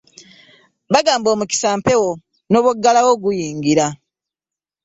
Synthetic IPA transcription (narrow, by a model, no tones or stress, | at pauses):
βaɡaːmbo̞ːmuki̥saːmpe̞wo̞ | no̞ːβoɡːalawo̞ɡujiːŋɡiɾa